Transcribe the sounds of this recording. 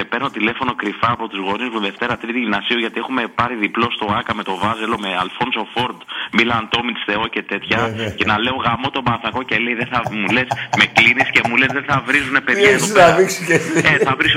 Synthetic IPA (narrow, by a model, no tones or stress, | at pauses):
sepeɾnot̪ile̞fo̞no̞kɾifɐːpo̞t̪uzɣo̞nismuðe̞ft̪e̞ɾɐt̪ɾit̪iʝinɐsioʝɐt̪ie̞xume̞pɐɾiðiplo̞st̪o̞ɐkɐme̞t̪o̞vɐzelo̞me̞ɐlfo̞nso̞fo̞ɾd̪milɐnt̪o̞mit̪st̪e̞o̞ce̞t̪e̞t̪çɐcenɐle̞o̞ɣɐmo̞t̪o̞bɐθɐko̞celeiðeθɐmule̞sme̞klinisce̞mule̞zðeθɐvɾizune̞pe̞ðjɐt̪oɐviksiceeθɐvɾis